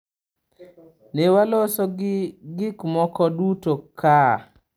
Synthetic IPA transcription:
newalosɔɡɪkmɔkɔdutokʰa

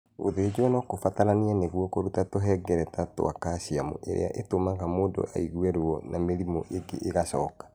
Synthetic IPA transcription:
oðed͡ʑwɛnɔkofataɾanianeɣwɔkoɾutatoɦɛɡɛɾɛtato̰akaɕiamo̰ʔḛɾḛa̰ʔetomaɣamoːndo̰ʔa̰iɣuɛɾwɔnʔameɾimɔ̰ʔeɡḛʔːɣaʃɔːkḁ

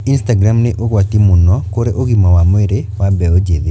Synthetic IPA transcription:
instaɡɾamnɪʔoɡwat̪imʊnɔkoɾeʔoɡimɔwamweɾewabɛod͡ʒede

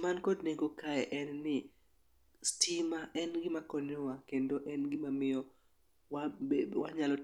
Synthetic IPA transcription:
mankɔdneɡokaɛʔɛnːɪ | stimaʔɛnɡɪmakɔnowakendoʔɛnɡɪmamɪjɔ | wawaɲalɔ

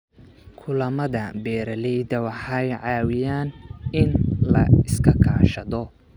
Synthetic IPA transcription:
kʰʊlɐmɐðɐbɛːɾɐlɛjdɐwɑħɑjʕɑːwɪjaːnɪnlɐ̰ɪskʰɐkʰa̰ːʃɐðɔ

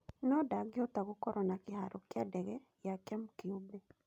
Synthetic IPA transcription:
nɔdaɡɪɔt̪aɣokɔɾɔnakɪhaɾɔkjadɛɣɛ | jakɛmkiube

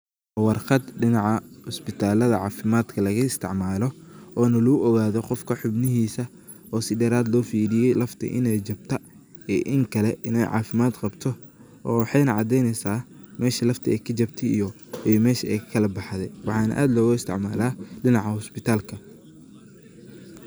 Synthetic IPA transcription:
wɑrqɑd̪ɖɪnɑʕɑhʊspɪt̪ʰaːlɐðɐʕɑːfɪmaːd̪kʰɐlɐɣɐɪst̪ʰɪʕmaːlɔɔːnɐlʊʊʔɔɣaːðɔqɔfkʰɐħʊbnɪɦiːsɐ | ɔːsɪdɛːɾaːd̪lɔːfiːɾɪjɛjlɐft̪ʰɐ̰ʔɪ̰nɛjt͡ʃɐb̚t̪ʰɐ | ɛʔɪŋkʰɐlɛɪnɛjʕɑ̰ːfɪmaːd̪qɑbt̪ʰɔ | ɔːwɑħɑjnɐʕɑd̪ɛjnɛsaːmɛːʃɐlɐft̪ʰɐɛjkʰɐt͡ʃɐbt̪ʰɛijɔ | ijmɛːʃɐɛjʰkʰɐlɐbɑħðɛwɑħɑːnɐ̰ʔa̰ːd̪lɔːɣʊɪst̪ʰɪ̰ʕmaːlaːɖɪnɑʕɑhʊspɪt̪ʰaːlkʰɐ

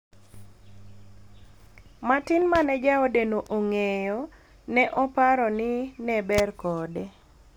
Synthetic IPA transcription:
matɪnmanɛd͡ʒaɔdenoʔoŋejɔ | nɛʔɔpaɾɔnɪnɛbɛrkɔdɛ

